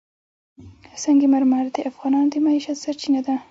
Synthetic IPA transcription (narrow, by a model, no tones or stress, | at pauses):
saŋɡimaɾmaɾd̪eafɣɑnɑnod̪emaiʃat̪saɾt͡ʃinad̪a